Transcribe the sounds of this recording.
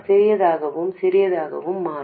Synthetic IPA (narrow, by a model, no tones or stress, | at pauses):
sɛɾɪjɐðaːɣɐʋɯmsɪɾɪjɐðaːɣɐ̰ʋɯmːaː